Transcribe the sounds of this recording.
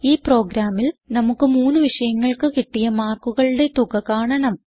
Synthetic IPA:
iːpro̞ːɡɾaːmilnɐmukːɨmuːnːɨʋiʂɐjɐŋːɐɭkɨkiʈːijɐmaːrkuɣɐɭɨɽe̞t̪uɣɐkaːɳɐɳɐm

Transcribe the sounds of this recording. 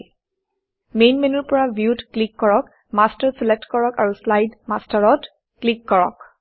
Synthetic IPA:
mejnmenuɹpɔɹabjutklikːɔɹɔk | mastəɹselek̚tkɔɹɔkaɹuslajdmastaɹɔt | klikːɔɹɔ̰k

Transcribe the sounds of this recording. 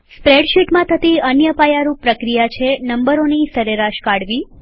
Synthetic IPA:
pɾeɽʃiʈmãt̪ʰət̪iənjəpajaɾupːɾəkɾijat͡ʃʰenəmbəɾonisəɾeɾaʃkaɽʋi

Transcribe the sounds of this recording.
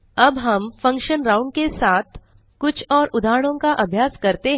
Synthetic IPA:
ɐbɦɐmfɐ̃ŋkʃənɾãːʊ̃ɳɖkesaːt̪̚ʰ | kʊt͡ʃʰɔːɾʔʊd̪ʱaːɾəɽ̃õkaʔɐbʱjaːskɐɾt̪eɦ

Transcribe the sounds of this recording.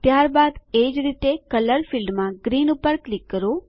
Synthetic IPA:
t̪jaɾbad̪ed͡ʒɾit̪ekələɾfilɖmãɡɾinupːəɾklikːəɾo

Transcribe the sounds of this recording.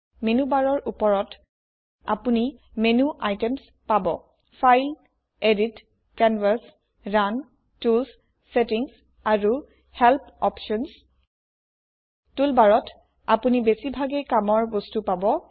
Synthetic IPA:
menubaɹɔɹʔupɔɹɔt | a̰puni | menuʔajtems | pabɔ | fʰajl | edit | kɛnvas | ɹan | tulsː | etiŋs | aɹu | hɛlpʰɔpʃɔns | tulbaɹɔt | apunibesibʱaɡekamɔɹbostupabɔ

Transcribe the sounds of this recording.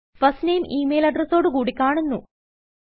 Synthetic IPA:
fɐstnejmʔiːmejlɐɖrɐso̞ːɽɨkuːɽikʲːaːɳunːu

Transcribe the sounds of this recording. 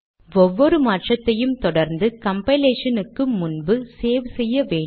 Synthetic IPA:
ɔʋːɔɾɯmaːʈrɐt̪ːɐjɯmt̪ɔɽɐɾnd̪ɯkɐmpɐɪleːʂɐnɯkːɯmːʊnbɯseːʋɯsɛjːɐʋeː

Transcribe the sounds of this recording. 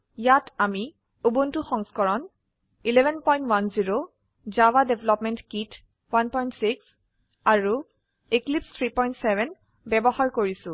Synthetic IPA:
jatami | ubuntuxɔŋskɔɹɔn | ilebʱɛnpɔj̃ntwanziɹo | zawadebʱelɔpmɛntkit | wanpɔjntsiks | aɹu | iklipst̪ʰɹipɔjntsɛbɛn | bɛbɔhaɹkoɹisʊ̃

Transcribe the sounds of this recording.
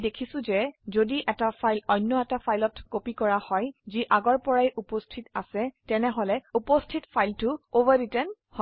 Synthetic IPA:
dekʰisʊ̃zɛzodiʔɛtapajlɔjnːɔɛtapʰajlɔtkopikɔɹahɔjziʔaɡɔɹpɔɹajʔupostʰitasɛtɛnɛɦolɛupostʰitpʰajltʊobaɹitɛn | hɔ

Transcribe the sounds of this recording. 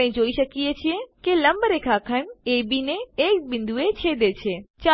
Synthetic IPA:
ɦĩd͡ʒoːiʃəkiet͡ʃʰijẽkelə̃mbəɾekʰakʰənebineːkbɪ̃nd̪ʱuet͡ʃʰed̪et͡ʃʰet͡ʃa

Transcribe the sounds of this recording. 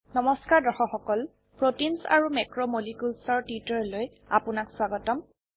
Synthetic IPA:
nɔmɔskaɹdɔxɔxɔkɔl | pɹotinsa̰ɹumɛkɹɔmolikulsɔɹtwitɔɹloj | apʊnakswaɡɔtɔm

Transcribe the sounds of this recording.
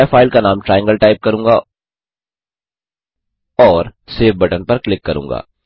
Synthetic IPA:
fʰaːɪlkanaːmʈɾaːjə̃ŋɡəlʈaːɪp̚kɐɾũːŋɡa | ɔːɾseːfbɐʈənpɐɾklɪkːɐɾṵ̃ːŋɡa̰ː

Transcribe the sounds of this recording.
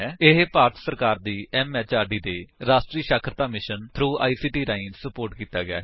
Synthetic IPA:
ɪɦpaːɾʈ̪səɾkaːɾd̪iːɛːmɛːt͡ʃaːɾɖiːd̪eːɾaːsʈɾiːʃaːkʰɾət̪aːmɪʃənt̪ʰɾuːʔa̰ːiːsiːʈiːɾaːinsəpoːɾʈkiːt̪aːɡɪa̰ː

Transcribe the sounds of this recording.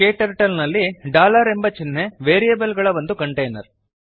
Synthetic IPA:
keːʈɐɾʈɐlnɐlːiɖaːlɐɾembɐt͡ʃinːeʋeːɾijɐbɐlɡɐɭɐʋɐnd̪ukɐɳʈejnɐ̰ɾ

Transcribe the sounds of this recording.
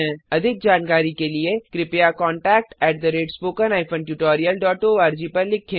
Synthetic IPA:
ɛ̃ɐd̪ʱɪk̚d͡ʒaːnkaːɾikeliekɾɪpjakɔ̃ːɳʈɛːk̚ʈɛːʈ̚d̪əɾeːɖspoːkənaːɪfə̃nʈjuːʈoːɾijəlɖɔːʈoːaːɾd͡ʒipɐɾlɪkʰːẽ

